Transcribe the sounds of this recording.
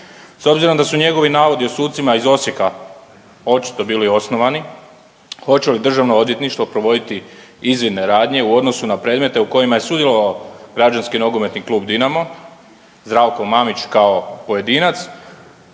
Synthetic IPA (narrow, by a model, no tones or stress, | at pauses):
so̞bziɾo̞md̪asuɲe̞ɡo̞ʋinaːʋo̞d̪io̞suːt̪t̪simaizo̞sje̞ka | o̞t͡ɕi̥t̪o̞biːlio̞sno̞ʋani | xo̞t͡ɕe̞lid̪r̩ʒaʋnoo̞d̪je̞t̪niʃt̪ʋo̞pɾo̞ʋo̞d̪it̪i | izʋinne̞ɾaːd̪ɲe̞uo̞d̪no̞sunapɾe̞ːd̪me̞t̪e̞uko̞jimaje̞sud̪jelo̞ʋaoɡɾad͡ʒanskino̞ɡome̞t̪niklˠuːbd̪inamo | zd̪ɾaːʋko̞mamit͡ɕkao̞po̞je̞d̪iːnat̪s